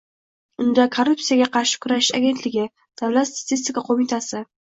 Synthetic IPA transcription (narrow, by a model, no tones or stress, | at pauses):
ʊnd̪akʰorːʊp̪̚sijaɡʲaqʰɑɾʃɪ̥kʰʊɾaʃɪaɡʲe̞nt̪lɪɡʲɪ | d̪̥avlat̪st̪ḁt̪ʰɪs̬t̪ʲɪkaqʰomɪt̪ʰasɪ